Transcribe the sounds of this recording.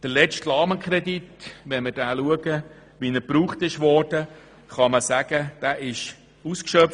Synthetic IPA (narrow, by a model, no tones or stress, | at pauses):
d̥əlɛt͡stlɑːməkʰɾɛditʋɛnməɾd̥æːluəɡə | ʋinəɾpɾuːχtɪʃʋɔrd̥ə | χɑməsæɡ̥əd̥æːʔɪʃ | uskʃœf